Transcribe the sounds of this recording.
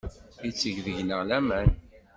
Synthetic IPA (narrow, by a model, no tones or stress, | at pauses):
it͡sːəʝðəʝnəʁlæmæn